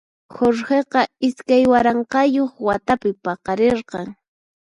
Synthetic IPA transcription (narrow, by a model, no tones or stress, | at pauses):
xoɾheqɑɪskajwaɾɑɴqɑjoχwat̪apɪpɑqɑɾeɾqɑŋ